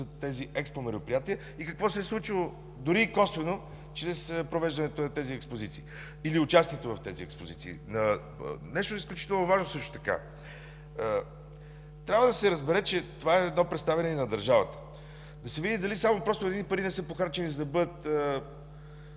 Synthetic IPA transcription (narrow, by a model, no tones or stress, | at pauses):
zɐt̪ɛziʔɛkspomɛɾʊpɾijat̪iə | ikɐkvɔsɛɛslˠut͡ʃilˠo | d̪ʊɾiːkɔsvɛno | t͡ʃɾɛspɾovɛʒd̪ɐnɛt̪onɐt̪ɛziɛkspozit̪siː | iliʊt͡ʃast̪iɛt̪ovɐft̪ɛziɛkspozit̪sḭːnɐ̰ | nɛʃt̪oɛisklʲut͡ʃi̥t̪ɛlˠnovaʒnosɤʃt̪ʊ̥t̪ɐ̥ka̰ | t̪ɾʲabvəd̪ɐsɛɾəzbɛɾɛt͡ʃɛt̪ovaɛɛd̪nɔpɾɛt̪st̪avɛnɛnɐd̪ɐɾʒavət̪ə̥ | d̪ɐsɛvid̪id̪ɐlisamopɾɔst̪oɛd̪inipɐɾinɛsɤpoxaɾt͡ʃɛnizɐd̪ɐbɤd̪ət̪ə